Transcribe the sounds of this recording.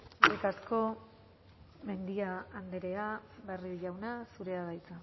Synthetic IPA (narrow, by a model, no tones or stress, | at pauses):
erik̪asko̞ | me̞nd̪iaːnd̪eɾe̞aβeriʝawnasuɾe̞aðajt͡sa